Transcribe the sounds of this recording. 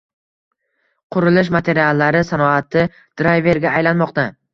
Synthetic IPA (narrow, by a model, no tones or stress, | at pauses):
qʰʊɾɪlɪʃ̬mat̪ʰe̞ɾialˠːaɾɪsanɒat̪ɪ | d̪̥ɾajve̞ɾɡʲaːjlanmɒqt̪a